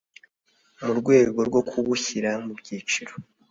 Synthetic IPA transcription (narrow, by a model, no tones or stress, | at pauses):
muɾɡwe̞ːɡo̞ɾɡo̞kʰuβuçiɾamubɟiːt͡ʃiɾo